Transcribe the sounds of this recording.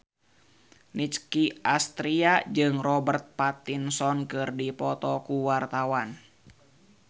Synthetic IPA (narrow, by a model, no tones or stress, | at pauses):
nit͡ʃkiʔast̪ɾiad͡ʒɨŋrɔbərt̪̚pat̪insɔnkɨrdipɔt̪ɔkuwart̪awan